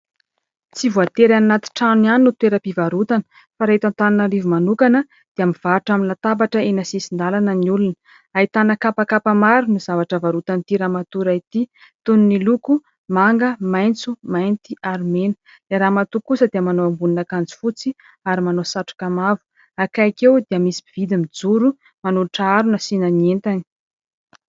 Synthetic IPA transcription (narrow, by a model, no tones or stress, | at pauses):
t͡sivuat̪eɾannːat̪i̥ʈ͡ʂaniannːut̪weɾəpivaɾut̪anə̥ | faɾaɦit̪ant̪aninəlivumanukanə | d̪̥eamiv̥aʈ͡ʂamnlat̪abaʈ͡ʂəenasisind̪alanəniulunə̥ | ait̪anəkapakapamaɾunizavaʈ͡ʂəvaɾut̪ant̪iɾamat̪uɾait̪i | t̪ununiluku | maŋɡəmajnt͡sumajnt̪iʔaɾmenə̥ | leɾaːmat̪ukusəd̪eəmanoambuninakand͡zi̥fut͡si | aɾimanosaʈ͡ʂu̥kamavu̥ | akajakewd̪eamisi̥bivid̪imid͡zuɾu | manuluʈ͡ʂaaɾunəsinanient̪ani̥